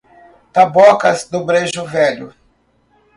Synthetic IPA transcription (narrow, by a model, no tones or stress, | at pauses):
t̪abɔkɐzd̪ʊbɾeʒʊvɛʎʊ̰